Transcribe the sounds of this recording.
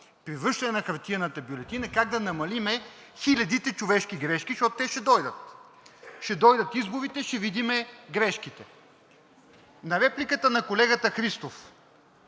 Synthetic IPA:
pɾivɾɤʃt̪ɐnɛnɐxɐɾt̪inət̪əbjulɛt̪inɐkaɡd̪ɐnɐmɐlimɛ | xilʲɐd̪it̪ɛt͡ʃʊvɛʃkiɡɾɛʃkiʃt̪ɔt̪t̪ɛʃɛd̪ɔjd̪ət̪ | ʃɛd̪ɔjd̪ɐt̪izbʊvit̪ɛʃɛvid̪imɛɡɾɛʃk̟it̪ɛ | nɐɾɛplikət̪ənɐkolɛɡət̪əxɾist̪of

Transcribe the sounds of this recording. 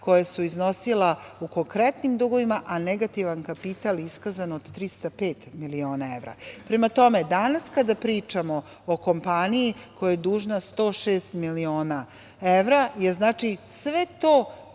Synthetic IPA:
ko̞jasuizno̞silauko̞ŋkɾɛt̪nimd̪uɡo̞ʋimaʔaneɡat̪iʋankapit̪aliskazanod̪t̪ɾist̪apeːt̪milio̞ːnaeʋɾa̰pɾemat̪o̞me̞d̪anaskad̪apɾiːt͡ʂamo | oko̞mpanijikojajed̪uːʒnast̪o̞ːʃeːst̪milio̞ːna | eʋɾajeznaːt͡ʃisʋet̪oː

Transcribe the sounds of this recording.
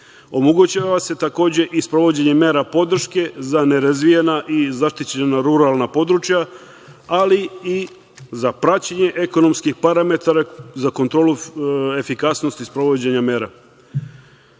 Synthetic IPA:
o̞moɡut͡ɕaʋase̞t̪ako̞ːd͡ʑe̞ʔispɾo̞ʋo̞d͡ʑe̞ɲe̞me̞ːɾapo̞d̪r̩ʃke̞zane̞ɾazʋijenaʔizaʃt̪it͡ɕenaɾuɾalˠnapo̞d̪ɾut͡ʃja | alii | zapɾat͡ɕeɲe̞ʔeko̞no̞mskixpaɾame̞t̪aɾazakont̪ɾo̞ːlue̞fikasno̞st̪ispɾo̞ʋo̞d͡ʑe̞ɲame̞ːɾa

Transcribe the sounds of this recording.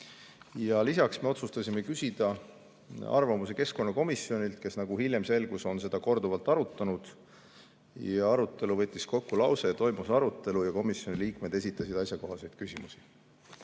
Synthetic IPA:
jɑlisɑksme̞o̞t̪sust̪ɑsʲimekysʲid̪̥ɑ | ɑ̰rvɑmuse̞ke̞sko̞nːɑko̞misːio̞nʲilt̪̚ke̞snɑɡ̥uhilʲjemse̞lɡ̥uso̞nse̞d̪̥ɑko̞rd̪uvɑlt̪ːˑɑɾut̪ːˑɑnud̪̥ | jɑɑɾut̪ːˑe̞luvɤ̞t̪ʲˑːisko̞kːulɑwse̞t̪o̞jmusɑɾut̪ːˑe̞lujɑko̞misjo̞niliːkme̞d̪esʲit̪ːˑɑsid̪̥ɑjsʲjɑko̞ɦɑse̞jd̪̥kysʲimusi̥

